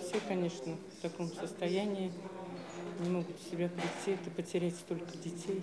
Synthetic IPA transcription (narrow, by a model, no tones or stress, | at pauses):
fsʲekɐnʲe̞ʂnəft̪ɐko̞msəst̪ɐjænʲɪɪ | nʲɪmo̞ɡʊt̪sʲɪbʲapɾʲɪtʲːiɛt̪əpətʲɪɾʲætʲst̪o̞lʲkədʲɪtʲej